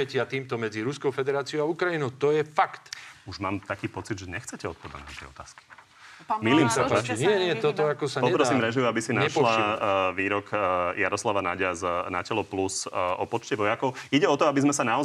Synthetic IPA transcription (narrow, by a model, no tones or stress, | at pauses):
ɛcɪat̪iːmt̪ɔmɛd͡ziɾuskɔʊfɛd̪ɛɾaːt͡siɔʊaukɾainɔʊt̪ɔjɛfakt̪uʒmaːmt̪akiːpɔt͡sid̪ʒɛɲɛxt͡sɛcɛɔt̪̚pɔd̪a̰na̰t̪ɛ̰ɔt̪a̰ːski̥ | milimsaɛnɪɛɲɪɛt̪ɔt̪ɔakɔsaɲpɔpɾɔsiːmɾɛʒiuabisinaʃlaʋiːɾɔkjaɾɔslaʋanaɟaznacɛlɔplusɔpɔt͡ʃcɛʋɔjakɔʊiɟɛɔt̪ɔabizmɛsanaɔz